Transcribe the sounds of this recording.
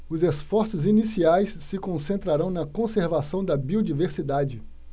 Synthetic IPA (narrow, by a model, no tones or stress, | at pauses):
ʊzesfɔɾsʊzinisiajsːɪkõsẽnt̪ɾaɾɐ̃w̃nɐkõseɾvasɐ̃w̃d̪ɐbiod͡ʒiveɾsid̪ad͡ʒɪ